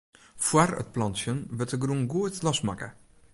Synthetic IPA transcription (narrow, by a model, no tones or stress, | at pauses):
fwaɾə̰t̚plɑntsənvətəɡɾuŋɡuətlɑsmakə̰